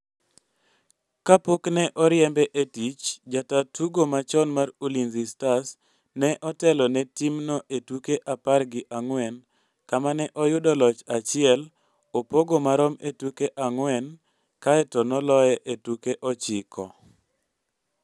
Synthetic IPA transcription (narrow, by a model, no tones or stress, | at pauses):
kapoknɛʔɔɾjɛmbɛʔetit͡ʃd͡ʒatatuɡomat͡ʃɔnmarulinzistas | nɛʔɔtɛlɔnɛtimnɔʔetukeʔaparɡɪʔaŋwɛn | kamanɛʔɔjʊdɔlɔt͡ʃat͡ʃɪɛl | opoɡomaɾɔmetukeʔaŋwɛn | kaɛtɔnɔlɔjɛʔetukeʔɔt͡ʃɪkʰɔ̰